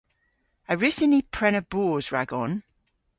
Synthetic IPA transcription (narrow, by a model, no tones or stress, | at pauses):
əɹɪsɪnipʰɹ̥ɛnəb̥uːzɹaɡɔn